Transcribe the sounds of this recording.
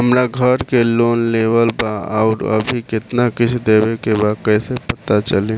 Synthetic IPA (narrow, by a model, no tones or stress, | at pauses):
ɦəmɾaɡʱəɾkeloːnlebəlbaə̰ːɾə̰bʱikɪt̪nakɪt͡ʃʰd̪ebekebakəsepət̪at͡ʃəlẽ